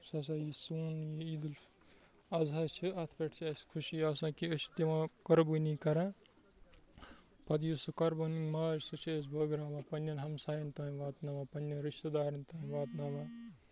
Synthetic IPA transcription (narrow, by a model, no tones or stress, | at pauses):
sɐs̬aːjisuːnjiid̪ul | ɐzɐst͡ʃʰiɐt̪ʰpʲeʈʰt͡ʃʰɐskʰuʃiɐsãːkiɐt͡ʃt̪imakɐɾbunĩkɐɾãː | pɐd̪jusɨkɐɾboniŋmaːɾsɨt͡ʃʰeːs̬bɐːɡɾaːʋãːpɐnːjɐnɦɐmsaːjɐnt̪ɐːnĩʋaːt̪naːʋãːpɐnjɐnɾiʃt̪ɐd̪aːɾint̪ɐːnʋaːt̪nɐʋã